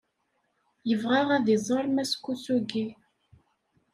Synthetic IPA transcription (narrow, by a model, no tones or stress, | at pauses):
jəvʁaʁæðizˤəɾˤmæskusuɡi